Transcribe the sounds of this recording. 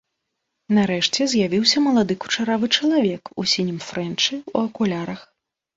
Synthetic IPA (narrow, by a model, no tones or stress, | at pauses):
naɾɛʂt͡sʲɛzʲjavʲiwsʲɐmɐlˠad̪ɨku̥t͡ʂaɾavɨt͡ʂɐlˠavʲɛkusʲinʲimfɾɛnt͡ʂɨṵɐkulʲaɾɐx